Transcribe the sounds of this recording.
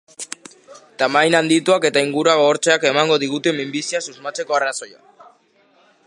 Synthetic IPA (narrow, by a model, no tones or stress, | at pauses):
t̪amajnand̪it̪uake̞t̪aiŋɡuɾuaɣooɾt͡ʃeake̞maŋɡo̞ðiɣ̞ut̪e̞mimbisiasuzmat͡se̞ko̞araso̞ja̰